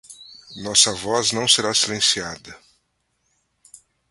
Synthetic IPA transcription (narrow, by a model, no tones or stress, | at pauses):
nɔsɐvɔznɐ̃w̃seɾasilẽsiad̪ɐ